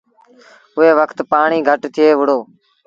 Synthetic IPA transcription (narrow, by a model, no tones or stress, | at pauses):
ʊɦeːʋəkʰt̪paːɳiːɡʱəʈt̪ʰɪeːʋʊɽ̤oː